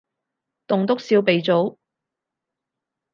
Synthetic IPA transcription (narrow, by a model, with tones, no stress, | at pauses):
t̪ʊ˨ŋt̪ʊ˥k̚siː˧wpe˨jt͡so˨˥w